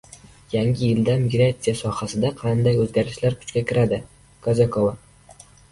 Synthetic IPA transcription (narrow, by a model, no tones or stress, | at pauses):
jaŋɪjɪld̪amɪɡɾat̪sijasɒhasɪd̪aqʰɑnd̪ajɵzɡʲaɾɪʃlaɾkʰʊ̥t͡ʃkʲakʲʰɪɾad̪ɪ | kʰɒzakʰova